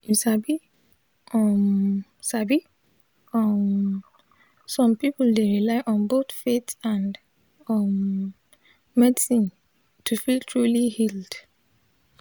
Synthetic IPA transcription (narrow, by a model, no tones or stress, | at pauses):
misabi | ʌmsabi | ʌm | sɔ̃mpipldeɹilaɪʔɔ̃nbotfetãnd | ɔm | ɛdisĩn | tʰufiltʰɹulihild̥